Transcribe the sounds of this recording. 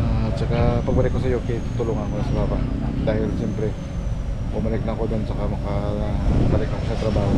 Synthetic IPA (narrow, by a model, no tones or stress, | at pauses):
ʔat͡ʃɐkapɐɡ̚bɐlɪkːosɐjo̞ket̪ʊt̪ʊloŋɐkonɐsɐbaːbad̪aːhɪlʃɛmpɾɛ | bʊmɐlɪk̚nɐko̞d̪ont͡ʃɐkamɐka | bɐlɪk̪̚ɐko̞ʃat̪ɾɐbaːho